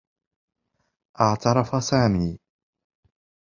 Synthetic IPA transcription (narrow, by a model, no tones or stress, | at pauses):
ʔat͡saɾafasami